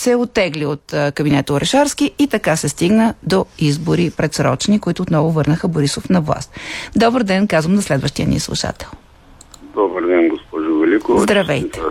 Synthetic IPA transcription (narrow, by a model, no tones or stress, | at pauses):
sɛot̪ːɛɡliot̪kɐbinɛt̪ʊɾʔɛʃaɾskiit̪ɐkasɛst̪iɡnəd̪oizbʊɾipɾɛt̪sɾɔ̰t͡ʃnikʊit̪ʊːt̪nɔvʊvɤɾnəxəboɾisofnɐvlˠa̰st̪d̪ɔbəɾd̪ɛnkazvəmnɐslɛd̪vəʃt̪ijənḭəslˠṵʃa̰t̪ɛ̥lˠ | d̪ɔbəɾd̪ɛnɡospɔʒʊvɛlʲikozd̪ɾɐvɛj̪ɛ̥